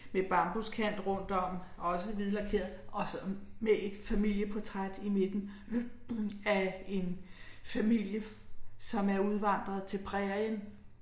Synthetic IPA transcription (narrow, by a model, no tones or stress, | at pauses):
meb̥ɑ̈mb̥o̝skʰæn̰d̥ʁɔ̽n̰d̥ɒ̽m̰ɒ̽səʋiðˠlɑ̈kʰe̝̰ɐð̩ˠʔɒ̽sɒmee̝d̥fæmil̰jəpʰɒ̽t͡sʰʁad̥ime̝d̥n̩ | æe̝nfæmil̰jəsɒ̽mæɐuð̞ˠʋɑ̈n̰d̥ʁɐðˠt͡sʰe̝lpʰʁɛɐjən